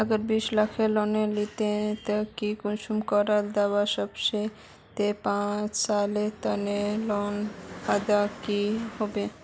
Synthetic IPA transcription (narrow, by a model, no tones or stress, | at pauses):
aɡəɾbiʃlakʰelɔnelit̪et̪akikunʃumkɔɾaɾd̪awaʃɔbʃe | t̪epãt͡ʃsalet̪ɔnelɔnad̪akihobe